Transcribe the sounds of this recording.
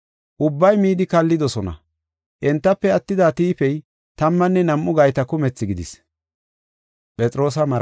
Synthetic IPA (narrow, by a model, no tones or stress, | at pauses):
ʔʊbːɐjmiːd̪ɪkɐlːɪd̪ɔsɔnɐ̰ | ʔɛnt̪ːɐpːɛɐt̪ːɪd̪at̪iːpɛj | t̪ɐmːɐnːɛnɐmʔʊɡɐjt̪ɐkʊmɛt͡sːɪɡɪd̪ɪ̰s | pʼɛt͡sʼɪɾo̞ːs̬ɐmɐɾ